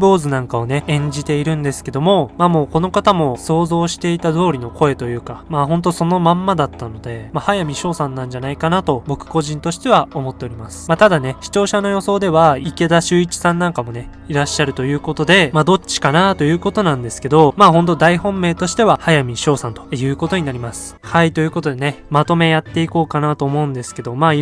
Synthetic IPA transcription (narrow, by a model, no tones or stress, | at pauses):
bo̞ːzɨnãŋkaone̞ẽ̞ɲ̟d͡ʑit̪e̞iɾɯ̟̃nd̪e̞sɨ̥ke̞d̪o̞mo̞maːmo̞ːko̞no̞kat̪amo̞so̞ːzo̞ːɕi̥t̪e̞it̪ad̪o̞ːɾʲino̞ko̞e̞t̪o̞jɯ̟ːkamaːɦõ̞nt̪̬o̞so̞no̞mãmːad̪at̪ːano̞d̪e̞mahajamʲiɕo̞ːsãnːãɲ̟d͡ʑanaikanat̪o̞bo̞kɯ̟̥ko̞ʑĩnt̪o̞ɕi̥t̪e̞β̞aomo̞t̪ːe̞o̞ɾʲimasɨ̥mat̪ad̪ane̞ɕi̥t͡ɕo̞ːɕano̞jo̞so̞ːd̪e̞βaike̞d̪aɕɨːit͡ɕi̥sãnːãŋkamo̞ne̞ | iɾaɕːaɾɯ̟t̪o̞jɯ̟ːko̞t̪o̞d̪e̞maːd̪o̞t͡ɕi̥kanat̪o̞jɯ̟ːko̞t̪o̞nãnd̪e̞sɨ̥ke̞d̪o̞maːɦõ̞nt̪̬o̞d̪aihõ̞mːe̞ːt̪o̞ɕi̥t̪e̞βahajamʲiɕo̞ːsãnt̪o̞̥jɯ̟ːko̞t̪o̞ɲ̟inaɾʲimasɨ̥hait̪o̞jɯ̟ːko̞t̪o̞d̪e̞ne̞mat̪o̞me̞jat̪ːe̞iko̞ːkanat̪o̞ːmo̞ɯ̟̃nd̪e̞sɨ̥ke̞d̪o̞ma